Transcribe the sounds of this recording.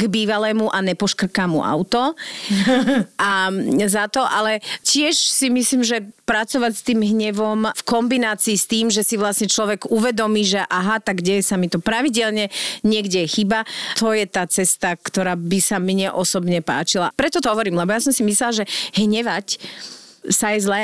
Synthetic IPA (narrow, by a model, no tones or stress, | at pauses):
ɡbiːʋalɛːmuʔanɛpɔʃkr̩kaːmṵʔa̰ʊt̪ɔ | ʔazat̪ɔʔalɛcɪɛʃsimisliːmʒɛpɾat͡sɔʋacst̪iːmɦɲɛʋɔmfkɔmbinaːt͡siːst̪iːmʒɛsiʋlasɲɛt͡ʃlɔʋɛɡuʋɛd̪ɔmiːʒɛʔaɦat̪aɡɟɛjɛsamit̪ɔpɾaʋiɟɛlɲɛɲɪɛɡɟɛxiːbat̪ɔjɛt̪aːt͡sɛst̪akt̪ɔɾaːbisamɲɛʔɔsɔbɲɛpa̰ːt͡ʃilapɾɛt̪ɔt̪ɔɦɔʋɔɾiːmlɛbɔjasɔmsimislɛlaʒɛɦɲɛʋac | sajɛzlɛː